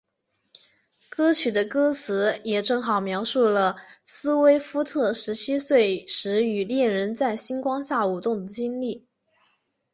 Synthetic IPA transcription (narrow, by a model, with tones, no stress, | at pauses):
kɤ˥t͡ɕʰy˨˩d̪ə˦kɤ˥t͡sʰɹ̩˧˥jɛ˨˩ʈ͡ʂɤ˥˩ŋxɑ˨˩ʊmjɑ˧˥ʊʂu˥˩lə˩sɹ̩˥we˥ɪfu˥t̪ʰɤ˥˩ʂɻ̩˧˥t͡ɕʰi˥swe˥˩ɪʂɻ̩˧˥y˨˩ljɛ˥˩nɻə˧˥nt͡sa˥˩ɪɕi˥nkwɑ˥ŋɕja˥˩u˨˩t̪ʊ˥˩ŋd̪ə˩t͡ɕi˥nli˥˩